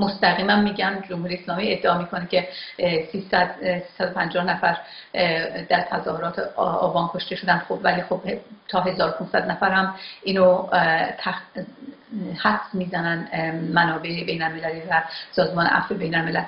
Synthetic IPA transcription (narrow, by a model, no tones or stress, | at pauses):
most̪æɣiːmæmmiːɟænd͡ʒomhuːɾijeslɒːmie̞d̪ːeɒːmiːkʰo̞necʰe̞siːsæd̪siːsæd̪opʰænd͡ʒɒːhnæfæɾ | d̪æɾt̪ʰæzɒːhoɾɒːt̪ʰeɒ̰ːbɒːnkʰo̞ʃt̪eʃod̪ænd̪xobvæliːxob̥ht̪ʰɒːɦe̞zɒːɾopʰunsæd̪næfæɾhæmʔiːnot̪ʰæ | hæfsmiːzænænmænɒːbe̞ebe̞jnælmelæliːvæsɒːzmɒːneʔæ̰febe̞jnælmelæl